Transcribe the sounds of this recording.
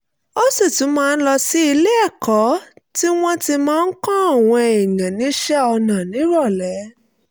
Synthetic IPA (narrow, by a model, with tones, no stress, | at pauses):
o˦se˦˨tũ˨˦mãː˦˧n̩˦lɔ˧si˦i˧le˦ɛ˦˨kɔ˨˦ti˦w̃ɔ̃˦ti˧mãː˦n̩˦kã˦a˦˨w̃ɔ̃˧e˨jã˨nĩ˨˦ʃɛ˦ɔ˧nã˨nĩ˨˦ɾɔ˦˨lɛ˨˦